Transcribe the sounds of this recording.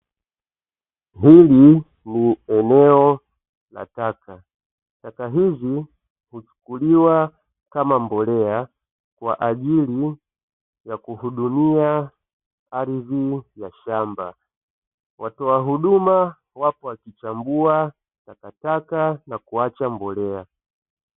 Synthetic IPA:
ɦili | niɛnɛɔ | la̰taka | takaɦizi | hut͡ʃu̥kuliwa | kamambɔlɛa | kwa̰ʔaʄili | jakuhuɗumia | aɾivijaʃamba̰ | watɔaɦuɗuma | wapɔakit͡ʃambua | takatakanakuat͡ʃambɔlɛa

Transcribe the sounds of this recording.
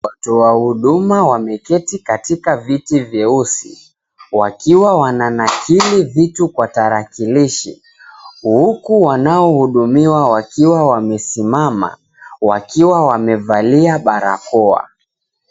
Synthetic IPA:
watɔwahuɗumawamɛkɛtikatikavitivjɛusḭ | wakiwawananakilivitukwataɾakiliʃḭ | hukuwanaɔhuɗumiwawakiwawamɛsimama̰ | wa̰kiwawamɛvaliaɓaɾa̰kɔa̰

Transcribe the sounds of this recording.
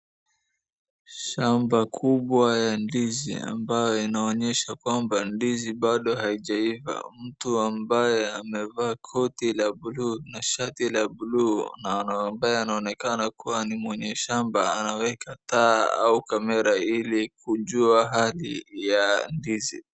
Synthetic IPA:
ʃambakʰuɓwajandizḭa̰mbajɔinaɔɲɛʃakwambandiziɓaɗɔhaiʄaiva̰m̩tuambajɛamɛvaːkʰɔtilaɓulunaʃatilaɓulunanambajɛanaɔnɛkanakuwanimwɛɲɛʃamba̰anawɛkʰataa̰ukamɛɾailikuʄuaɦalijandizḭ

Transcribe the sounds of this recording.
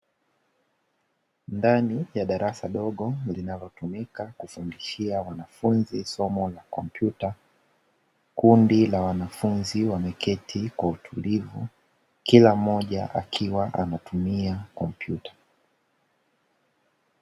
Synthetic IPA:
ndanijaɗaɾasaɗɔɠɔlinalɔtumikakufundiʃiawanafunzisɔmɔlakɔmpjuta | kundilawanafunziwamɛkʰɛtʰikwautʰulivṵ | kilam̩ɔʄa̰ʔa̰kʰiwaʔanatumiakɔmpjutḁ

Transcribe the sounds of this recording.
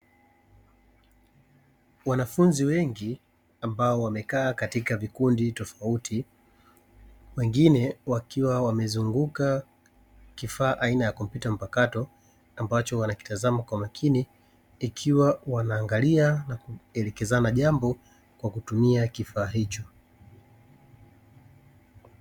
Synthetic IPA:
wanafunziwɛŋɡi | ambaɔwamɛkaːkatikavikunditɔfautʰi | wɛŋɡinɛwakiwawamɛzuŋɡuka | kifaːʔainajakɔm̩pjutam̩pakatɔ | ambat͡ʃɔwanaki̥tazamakwamakʰiniː | kʰiwawanaːŋɡalianakuɛlɛkɛzanaʄambɔ | kwakutumiakifaːɦit͡ʃɔ

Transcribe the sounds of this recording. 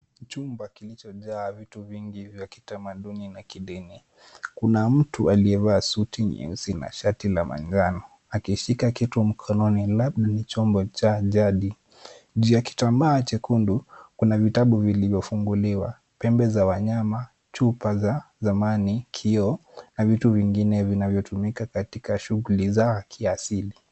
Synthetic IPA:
t͡ʃumbakilit͡ʃɔʄaːvituviŋɡivjaki̥tamaɗuninakiɗini | kunam̩tualiɛvaːsutiɲḭŋsina̰ʃatilamʔa̰ŋd͡ʒanɔ | akiʃikakitum̩kʰɔnɔnilaɓɗanit͡ʃɔmbɔt͡ʃaʄaɗi | ʄujaki̥tambaːt͡ʃɛkundukunavitaɓuvilivjɔfuŋɡuliwa | pɛmbɛzawaɲama | t͡ʃupazazamanikʰiɔnavituviŋɡinɛvinavjɔtumikakatikaʃuɣulizakʰiasili

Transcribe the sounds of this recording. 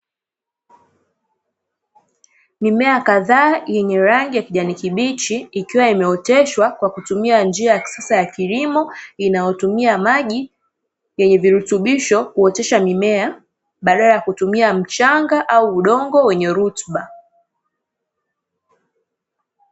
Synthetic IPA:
mimɛakaðaːjɛɲɛɾaŋɡijakiʄanikiɓit͡ʃiːkiwaimɛɔtɛʃwakwakutumiand͡ʒiajḁsɛsajakilimɔinajɔtumiamaʄi | jɛɲɛviɾutuɓiʃɔkuɔtɛʃamimɛa | ɓaɗalajakutumiam̩t͡ʃaŋɡaʔauuɗɔŋɡɔwɛɲɛɾutɓa

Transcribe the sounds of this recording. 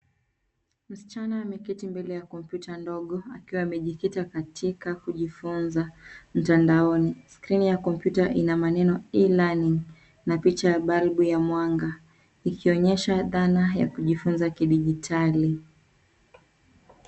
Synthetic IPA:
m̩si̥t͡ʃanaːmɛkitimbɛlɛjakɔm̩pjutandɔɠɔakiwaːmɛʄikitakatʰikakuʄifunzam̩tandaɔniskɾinijakɔm̩pjutaʔinamanɛnɔilaniŋ | napit͡ʃajaɓalɓujamwaŋɡa | ikiɔɲɛʃaðanaja̰kuʄifunzakiɗiʄitʰali

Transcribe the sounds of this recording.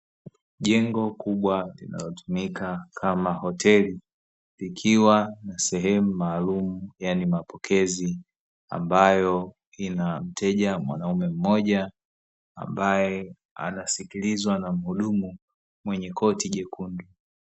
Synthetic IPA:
ʄɛŋɡɔkuɓwalḭna̰lɔtumikakʰamahɔtɛli | ikʰiwanasɛɦɛmumaːlumujanimapɔkʰɛzi | a̰mbajɔ | inam̩tʰɛʄamwa̰naumɛm̩mɔʄa̰ː | mbajɛ | a̰nasikilizwanam̩huɗumu | mwɛɲɛkʰɔtiʄɛkʰundu

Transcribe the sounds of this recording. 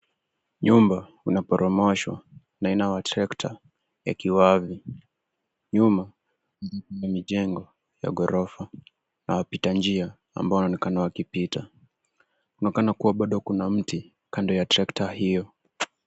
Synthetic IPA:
ɲumba | unapɔɾʔɔmɔʃwa̰ | nainawatɾɛktʰa | ja̰kiwavi | ɲuma | nd͡ʒikiamiʄɛŋɡɔ | ja̰ɡɔɾɔfa | na̰wapitand͡ʒia | a̰mbawnaɔnɛkanawakipitʰa | kunakanakuwaɓaɗɔkunam̩ti | kandɔjatɾɛktahijɔ

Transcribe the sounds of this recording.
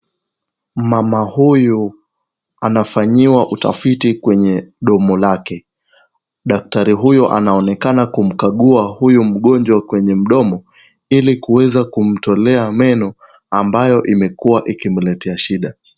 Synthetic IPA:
mamahuju | anafaɲiwaʔuta̰fitikwɛɲɛɗɔmɔlakɛ | ɗak̚taɾiɦujuʔa̰naɔnɛkanakum̩kaɠuahujum̩ɠɔnd͡ʒwakwɛɲɛm̩ɗɔmɔ | ilikuwɛzakum̩tɔlɛamɛnɔ | ambajɔʔimɛkuwaʔikim̩lɛtʰɛaʃiɗa

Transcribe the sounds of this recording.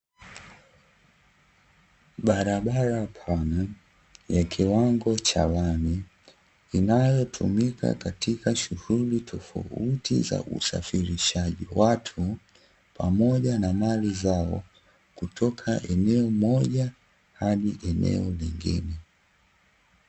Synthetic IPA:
ɓaɾaɓaɾapʰana | jakʰiwaŋɡɔt͡ʃawani | inajɔtʰumika̰katʰikaʃuhulitʰɔfa̰utḭza̰ʔṵsa̰fiɾiʃaʄḭwatʰu | pʰamɔʄanamalizaɔ̰ | kutʰɔkʰaʔɛnɛɔmɔʄa | haɗiʔɛnɛ̰ɔliŋɡḭnɛ

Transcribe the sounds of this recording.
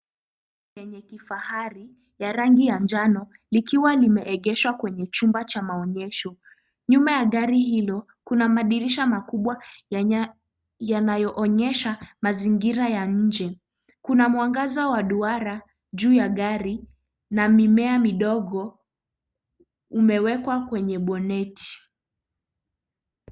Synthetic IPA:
jɛɲɛkifahaɾi | jaɾaŋɡijand͡ʒanɔ | likiwalimɛʔɛɠɛʃwakwɛɲɛt͡ʃumbat͡ʃamaɔɲɛʃɔ | ɲumajaɠaɾiɦilɔ | kunamaɗiɾiʃamakuɓwa | janajɔʔɔɲɛʃamaziŋɡiɾajaɲ̩d͡ʒɛ | kunamwaŋɡazawaɗuaɾa | ʄuːjaɠaɾi | namimɛamiɗɔɠɔ | umɛwɛkwakwɛɲɛɓɔnɛtʰi̥

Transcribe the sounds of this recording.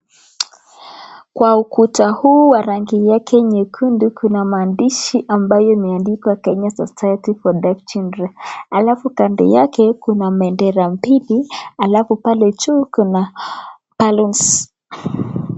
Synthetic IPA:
kwaukutahuːwaɾaŋɡijakʰɛɲɛkʰundukʰunamaːndiʃiʔambajɔimɛandikakɛɲasɔsajɛtifɔdɛft͡ʃindɾɛalafukandɛ̰jakɛkunamɛndɛɾam̩pilialafupalɛt͡ʃukuna | paluns

